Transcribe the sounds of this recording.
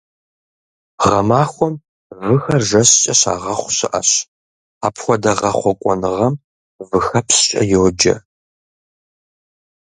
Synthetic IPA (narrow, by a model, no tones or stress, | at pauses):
ʁɐmaːxʷɔm | vɨxɐrʒɐɕt͡ʃʼɐɕa̰ːʁɐχʷʊɕɪʔɐɕ | aːpʰxʷɔdɐʁɐχʷɔkʷʼɔnɨʁɐm | vɨxɐpsɕʼɐ̰jowd͡ʒɐ̰